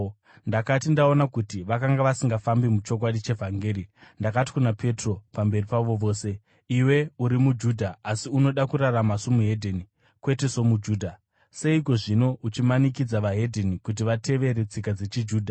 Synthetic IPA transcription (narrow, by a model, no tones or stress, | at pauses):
ndakatindaonakutiʋakaŋɡaʋasiŋɡafambimut͡ʃo̞k̬waɗit͡ʃe̞vʱaŋɡeːɾindakati̥kunapʰe̞tro̞pambe̞ripaʋo̞ʋo̞ːse̞ | iwe̞uɾimud͡ʒuːdʱaːsiuno̞ɗakuɾaramasomuɦe̞dʱeni | kwe̞te̞so̞mud͡ʒuːdʱa | se̞ik̬o̞ʐino̞ʔut͡ʃimanikid͡zaʋaɦe̞dʱenikut̬iʋate̞ʋe̞ɾet͡sikad͡ze̞t͡ʃid͡ʒuːdʱa